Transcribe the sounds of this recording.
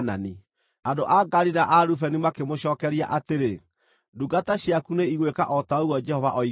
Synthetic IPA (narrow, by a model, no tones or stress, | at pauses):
na̰ni | andoʔaɡaɾiɾaʔaɾufɛnimakemoɕɔːkɛɾija̰ʔateɾe | duɡataɕjakuneiɣweka̰ʔɔtaoɣwɔd͡ʒɛhɔva̰ʔɔi